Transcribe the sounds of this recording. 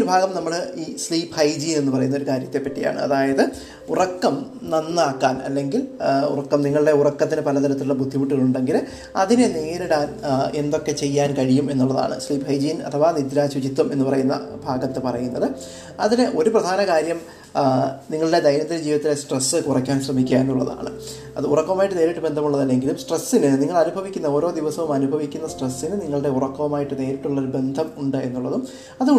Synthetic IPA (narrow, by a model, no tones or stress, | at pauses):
ɾubʱaːɡɐmnɐmːɐɭiːsliːphɐjd͡ʑinenːɨpɐrɐjunːoɾukaːɾjɐt̪ːe̞pːɐʈːija̰ːɳɨ̰ɐ̰ðaːjɐðɨ | urɐkːɐm | nɐnːaːkːaːnɐ̰lːe̞ŋɡilṵrɐkːɐmniŋːɐɭiɽe̞urɐkːɐt̪̬ːinɨpɐlɐt̪ʰɐɾɐt̪ːiluɽebʱud̪ʱːipuʈːuɣɐɭuɳɖe̞ŋɡil | ɐ̰ðineneːɾiɽaːne̞nd̪o̞kːe̞t͡ɕe̞jːaːnkɐɻijume̞nːuɭːɐða̰ːɳɨ̰sliːphɐjd͡ʑijnɐ̰t̪ʰɐʋaːnid̪ɾaːɕud͡ʑit̪ːume̞nːupɐrɐjunːɐ̰bʱaːɡɐt̪ːɨpɐrɐjunːɐðɨ | ɐðilʔo̞ɾuprɐd̪ʱaːnɐkaːɾjɐm | niŋːɐɭiɽe̞d̪ɐjnɐt̪ːind͡ʑiːʋðɐt̪ːilesʈresːɨkurɐkʲːaːnɕrɐmikʲːaːenːuɭːɐ̰ða̰ːɳɨ̰ | ɐ̰ðɨurɐkːɐmaːjiʈːɨne̞ːɾiʈːɨbe̞nd̪ʱɐmuɭːɐðɐlːe̞ŋɡilumsʈresːinɨniŋːɐɭɐnubʱɐʋikʲːunːɐo̞ːɾo̞ːd̪iʋɐsɐʋumɐnubʱɐʋikʲːunːɐsʈresːinɨniŋːɐɭɨɽe̞urɐkːɐʋɐmaːjiʈːɨne̞ːɾiʈːuɭːɐoɾube̞nd̪ʱɐmuɳɖɨe̞nːuɭːɐðum | ɐðɨ